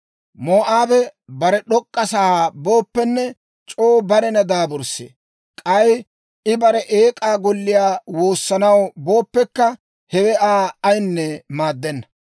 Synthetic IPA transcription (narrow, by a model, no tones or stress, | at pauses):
moːʔaːbɛbɐɾɛɗɔkʼːɐsaːbo̞ːpːɛnːɛ | t͡ʃʼoːbɐɾɛnɐd̪aːbɔɾsḛː | kʼɐj | ɪbɐɾɛʔeːkʼaːɡɔlːɪjaːwo̞ːsːɐnɐwbo̞ːpːɛkːɐ | hɛwɛʔaːɐjnːɛmaːd̪ːɛnːɐ